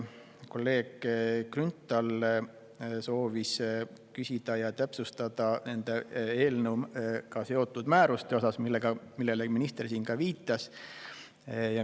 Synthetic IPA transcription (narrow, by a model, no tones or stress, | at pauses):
ko̞lːe̞ːɡ̥krynt̪ːˑɑl | so̞ːvis | kysʲid̪̥ɑjɑt̪æpsust̪ɑd̪̥ɑne̞nd̪̥ee̞ːlnəwmkɑse̞o̞t̪ːˑud̪mæːɾust̪e̞o̞sɑsmilːeɡ̥ɑmilːeleminist̪ersiːnkɑviːt̪ˑːɑs | jɑ